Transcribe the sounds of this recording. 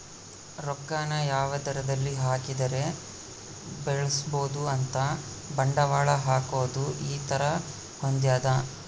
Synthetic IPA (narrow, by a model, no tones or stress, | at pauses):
ɾɔɡːaːnɐjaːʋɐd̪ɐɾɐd̪ɐlːiɦaːkid̪ɐɾe̞ | beɭɐsboːd̪uɐnt̪ɐ | bɐɳɖɐʋaːɭɐɦaːkoːd̪uʔiːt̪ɐɾɐ | hond̪jaːd̪ɐ